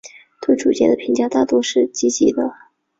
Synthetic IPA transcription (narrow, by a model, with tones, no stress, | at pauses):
t̪we˥˩ɪʈ͡ʂu˨˩t͡ɕjɛ̰˥˩nd̪ə˨pʰi˧˥ŋt͡ɕjɑ˥ʊt̪a˥˩t̪wɔ˥ʂɻ̩˥˩t͡ɕi˥t͡ɕi˧˥d̪ə˧